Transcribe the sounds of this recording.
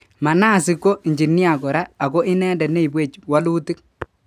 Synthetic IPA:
ma˨na˦˨sɪ˨kːo˦i˨ɲd͡ʒi˨ni˦a˨kɔ˨ɾaː˦˨kɔ˦ʔɪ˦nɛː˦dɛ˨ne˦i˨bwe˦˨t͡ʃwa˦luː˦tɪ˦k̚

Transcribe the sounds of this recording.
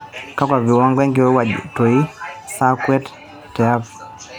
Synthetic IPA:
ka˦kwa˨vi˨wa˦ŋɡɔɛ˦ŋɡi˨wɛ˦wa̰˨tɔ˨i˦sa˦kwɛ˦t | tɛ˨a˦p

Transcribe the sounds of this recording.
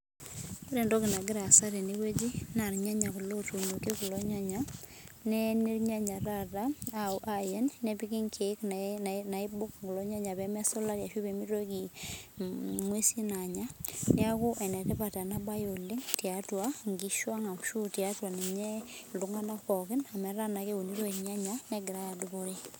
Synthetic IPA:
ko˦ɾe˨ndo˦ki˨na˨ɡɪ˦ɾa˨sa˦ɾe˨ni˦we˦d͡ʒi˦na˨ɾɲa˦ɲa˨ku˨lo˦tu˨ɲo˨ke˦ku˨lo˦ɲa˦ɲa | nɛ˦ni˦ɾɲa˦ɲa˨ɾa˦ta˦a˨uʔa˦je˦nnɛ˦pi˦ki˦ŋkʰe˨˦knnana˨i˦bʊ˦kŋɡu˨lo˦ɲa˦ɲa˨bɛ˦mɛ˦sɔ˦la˦ɾja˨ʃu˦be˨mi˦ɾo˦ki˨ | mwe˦si˦na˨ɲa˦ni˦a˦ku˦ʔɛ˨nɛ˨tɛ˦pa˨ta˨na˦ba˦jo˨le˦ŋti˨atwa˦ŋɡi˦ʃwa˦ŋa˨kʃu˦tja˦twa˨ne˨ɲɛ˦lu˨ŋa˦na˦kɔ˨kɪ˦na˨mɛ˨ɾa˦na˨ke˦u˨ni˦ɾo˦i˨ɲa˦ɲa˦nɛ˦ɡɪ˨ɾa˦a˨du˨ko˦ɾe˦

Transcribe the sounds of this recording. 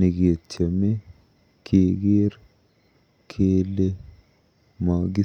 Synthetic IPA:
ɪ˨ɡeː˨t͡ʃːɐme˦ | kʰeːɡeː˦ɾ | kʰeːlːe | maːɡɪ˦

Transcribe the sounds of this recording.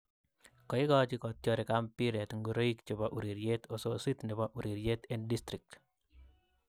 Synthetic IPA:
kɔ˨ɪ˦ɡɔ˦t͡ʃɪ˦kɔ˨t̪jɔ˦ɾɪ˨kampiɾɛ˨t̪ŋɡu˨ɾo˦i˦kt͡ʃo˨baʔu˨ɾi˨ɾjet̪o˨sosi˦t̪nɪ˨baʔu˨ɾi˨ɾje˦t̪endist̪ɾɪ˨k̚t

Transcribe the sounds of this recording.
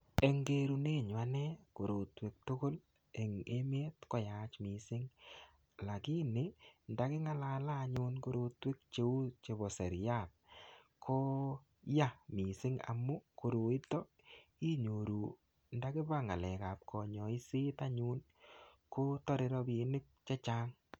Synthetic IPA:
e˨ŋɡe˦ɾu˨ne˦˨ɲwa˦nɛ˦ko˨ɾo˨twe˨k̚to˦ko˦l | ɛ˨ŋe˦me˦tkɔ˨ja˨t͡ʃmi˨sɪ˦ŋ | la˨kɪ˦nɪ˨nda˦kɪ˦ŋa˦la˦laː˦˨ɲʊ˦nko˦ɾo˧twe˦k̚t͡ʃe˦u˦t͡ʃe˨bɔ˨sɛ˨ɾja˦˨t̚ | kʰo˦ | ja˦mi˨sɪ˦ŋa̰˨mʊ˦ko˨ɾo˨i˦tɔ˦ | i˦ɲo˨ɾu˨ | nda˦kɪ˦ba˦ŋa˨lɛ˨ka˨p̚kʰɔ˨ɲɔ˨i˦sɪ˦ta˦ɲʊ˦n | ko˦tɔ˦ɾɪ˦ɾɔ˦bi˨nɪ˦k̚t͡ʃɛ˦t͡ʃa˦ŋ

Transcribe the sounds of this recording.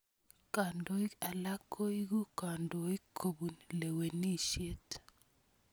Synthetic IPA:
ka˨ndo˨i˦a˨la˦kʰo˦i˦ɡu˦ka˨ndo˨i˦kʰo˨bu˨nle˨we˨ni˦ʃje˦t

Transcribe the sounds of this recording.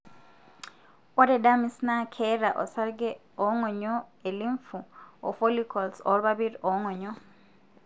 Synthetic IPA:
o˦ɾe˨da˦mi˨sna˦kʰeɾa˨ʔo˨sa˦ɾɡɛ˦ | oŋo˨ɲɔe˨li˦ɱfuo˨fo˦likʰo˨lso˨lβaβiɾio˨ŋo˨ɲɔ

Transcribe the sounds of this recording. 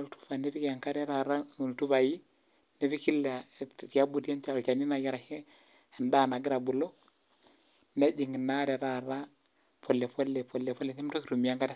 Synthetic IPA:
tu̥˦fa˨ne˦bi˦kja˨ŋka˦ɾe˦ɾa˨ɾa˦˨n˨tu˦ba˨ji˦ | ne˦bi˦ki˦lːa˨i˨ja˦bu˨da˦nt͡ʃa˨lo˨t͡ʃa˨ni˦na˨ja˦ɾa˨he˦ | a˨nda˦˨na˨ɡi˦ɾa˨bu˨lo˦ | na˦d͡ʒi˨ŋ˨na˦ɾe˨ɾa˨ɾa˦ | po˨lːe˨po˦lːe˨po˨le˨po˦le˨ni˦m˦to˦ki˨ɾu˨mi˨ja˦ŋka˦ɾe˦

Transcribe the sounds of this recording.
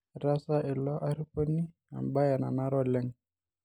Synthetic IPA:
ɾa˦sa˦ʔɪ˨lɔ˦ʔa˦ɾi˦pɔ˦ni˦ | a̰˨mba˦ja˨na̰˨na˦ɾɔ˦˨lɛ˦ŋ

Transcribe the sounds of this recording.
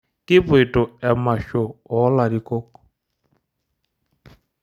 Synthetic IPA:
kʼɪ˦pʊ˦e˨tʼɔ˨ɛ˨ma˨ʃɔ˨ɔ˨˦la˨di˨kʼoː˦kɔ̥

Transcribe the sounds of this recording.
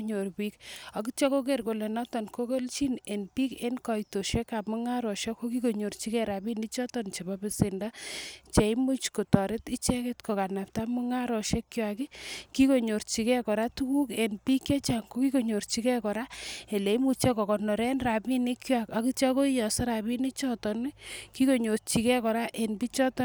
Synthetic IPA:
ɲo˨ɾpi˦ka˨ki˦t͡ʃɔ˦ko˦k̬e˦ɾko˨le˨nɔ˦tɔ˨nko˦ke˦lt͡ʃi˦ne˨npi˦ke˦nkɔ˨jto˨ʃe˦ka˨mu˦ŋa˦ɾɔ˨ʃe˦ko˦ki˦ko˨ɲo˨ɾt͡ʃi˦kɛ˦ɾa˨bi˦ni˦t͡ʃɔ˦tɔ˨nt͡ʃe˨ba˦bɪ˨sɪ˨nda˦t͡ʃe˨i˦mu˦t͡ʃko˨tɔ˨ɾe˦ti˦t͡ʃɛ˦ke˦tko˨ka˨na˨p̚ta˦mu˦ŋa˦ɾɔ˨ʃe˦kːjwa˨ki˦ki˦ko˨ɲo˨rt͡ʃi˨kɛ˦kɔ˨ɾa˦tu˦ku˦ke˨npi˦ke˦t͡ʃa˨ŋko˦ki˦ko˨ɲo˨rt͡ʃi˦kɛ˦kɔ˨ɾa˦e˨le˨i˦mu˨t͡ʃe˦kɔ˨kɔ˨nɔ˨ɾɛ˦nɾa˨bi˦ni˦kjwa˨ka˨˦ki˦t͡ʃa˦ko˦i˦jɔ˨sɔ˦ɾa˨bi˦ni˦t͡ʃɔ˦tɔ˨nki˦ko˨ɲo˨rt͡ʃi˨kɛ˦kɔ˨ɾa˦ʔe˨npi˦t͡ʃɔ˦tɔ

